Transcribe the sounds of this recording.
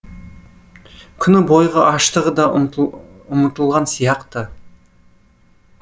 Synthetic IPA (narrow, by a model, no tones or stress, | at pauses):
kʲʰʏnɪbo̞jʁəʔɑʃt̪əʁəd̪ɑ | ʊmət̪əlˠʁɑnsijɑqt̪ə